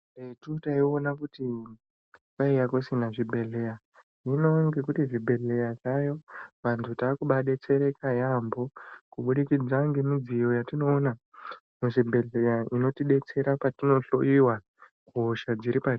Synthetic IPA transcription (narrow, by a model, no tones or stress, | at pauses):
retutaionakuti | paijakosinaʐibʱe̞ɮe̞ja | ino̞ŋɡe̞kutiʐibʱe̞ɮe̞jaʐajo̞ʋantʰutaːkuɓaɗe̞t͡se̞ɾe̞kajambo̞kuɓuɗikid͡zaŋɡemid͡zijo̞jatino̞ːna | muʐibʱe̞ɮe̞jaino̞tiɗe̞t͡se̞ɾapatino̞ɬo̞̰iwa | ɡʱoʃad͡ziɾipati